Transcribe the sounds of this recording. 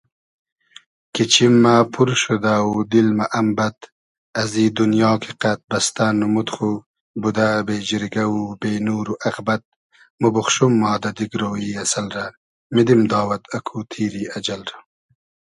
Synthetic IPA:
kit͡ʃʰimːapʰuɾʃud̪aud̪ilmaʔɐmbɐt̪ | ɐziːd̪unjɑːkʰiqat̪̚bɐst̪anːumut̪χu | bud̪abeːd͡ʒiɾiɡɐwubeːnuːɾuʔɐɣbɐt̪̚ | mubʊxʃumːɑːd̪ɐd̪iɡɾoːiɐsalɾa | mid̪imd̪ɑːwɐt̪ɐkʰut̪ʰiːɾiɐd͡ʒɐlɾa

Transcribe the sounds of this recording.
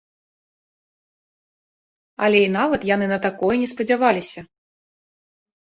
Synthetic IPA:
ɐlʲɛinavɐt̪jan̪ɨnɐt̪akɔjɛnʲɛspɐd͡zʲavalʲisʲɐ

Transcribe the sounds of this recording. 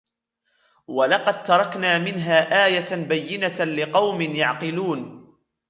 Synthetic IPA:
wɑlɑqɑd̪̚t̪ɑɾˤɑknaːmɪnɦaːʔaːjabajːɪnalɪqɑwmɪnjaʕqɨluːn

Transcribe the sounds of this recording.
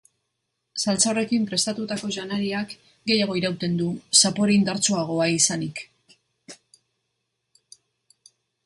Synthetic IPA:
salt͡sare̞kimpɾe̞st̪at̪ut̪ako̞ʝanaɾiak | ɡe̞jaɣ̞o̞iɾawt̪e̞nd̪usapo̞ɾeind̪aɾt͡soaɣ̞o̞aisanik

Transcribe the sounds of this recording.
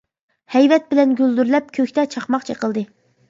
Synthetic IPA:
hɛjvɛt̪̚bɪlɛnɡʲyld̪yɾlɛp̚kʲʰøkʲt̪ɛt͡ʃʰɑχmɑqt͡ʃʰeqəlˠd̪ɨ

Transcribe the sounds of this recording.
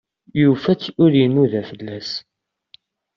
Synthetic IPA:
jufæt͡sːʊɾjənuðæfəlːæs

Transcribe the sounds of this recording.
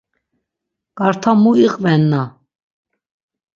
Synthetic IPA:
kʼaɾt̪ʰamuiqʼvɛnːa

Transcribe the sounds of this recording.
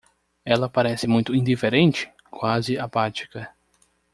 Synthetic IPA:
ɛlɐpaɾɛsɪmũj̃t̪ʊĩd̪ifeɾẽnt͡ʃɪ̥ | kwazɪapat͡ʃi̥kɐ

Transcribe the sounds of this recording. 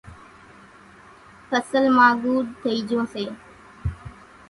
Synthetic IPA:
fʰəsəlmaːɡuːɖt̪ʰəiːd͡ʒoːseː

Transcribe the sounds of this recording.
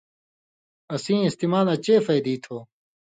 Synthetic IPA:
ɐsĩːist̪iːmaːlɐt͡ɕeːfɐjd̪iːt̪ʰoː

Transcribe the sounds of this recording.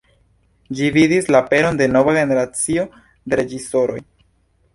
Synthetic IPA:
d͡ʒividislape̞ɾo̞nde̞no̞vaɡe̞ne̞ɾat͡sio̞ | de̞ɾe̞d͡ʒiso̞ɾo̞̰j

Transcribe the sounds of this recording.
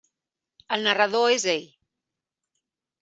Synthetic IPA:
əlˠnərəðoezeʎ

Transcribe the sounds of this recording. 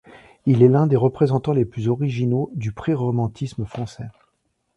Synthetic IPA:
ilɛlɛ̃d̪eʁəpχezɑ̃t̪ɑ̃leplyzɔʁiʒinod̪ypχeʁɔmɑ̃t̪ʰisməfχɑ̃sɛ

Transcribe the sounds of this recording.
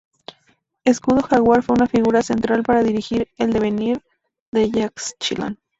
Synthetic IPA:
e̞skuðo̞xaɣwaɾfweunafiɣuɾase̞nt̪ɾalpaɾaðiɾixiɾe̞ld̪e̞βe̞niɾ | ðe̞ʝakst͡ʃḭla̰n

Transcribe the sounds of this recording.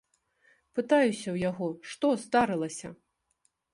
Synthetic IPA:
pɨt̪ajusʲɐwjaɣɔʂt̪ɔzd̪aɾɨlˠɐsʲɐ

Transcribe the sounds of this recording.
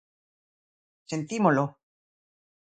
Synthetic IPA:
sent̪imolo

